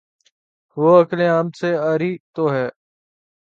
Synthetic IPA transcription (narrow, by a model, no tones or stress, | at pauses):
ʋoːəklẽːaːmseːaːɾiːt̪oːɦɛː